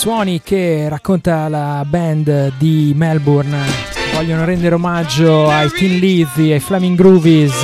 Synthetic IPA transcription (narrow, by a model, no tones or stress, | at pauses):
swɔːnikerakːont̪alabɛnd̪d̪imɛlburnvɔʎːonoɾɛnd̪eɾeomad͡ʒːoajt̪inliziajflɛmiŋɡɾuvis